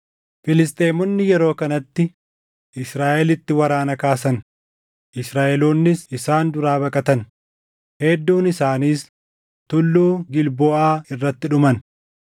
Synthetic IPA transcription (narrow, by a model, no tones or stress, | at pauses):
fɪlɪs̬t̪ʼeːmɔnːɪjɛɾo̞ːkɐnɐt̪ːɪ | ʔɪsɾaːʔɛlɪt̪ːɪwɐɾaːnɐkaːsɐn | ʔɪsɾaːʔɛloːnːɪsɪsaːnd̪ʊɾaːbɐkʼɐt̪ɐn | hɛd̪ːuːnɪsaːniːs | t̪ʊlːuːɡɪlboːʔaːɪrːɐt̪ːɪᶑʊmɐn